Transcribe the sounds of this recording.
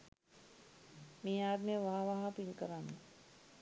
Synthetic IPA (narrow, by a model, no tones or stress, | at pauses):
mĩaːd̪mẽʋɐɦãʋɐɦãpilkəɾãːŋ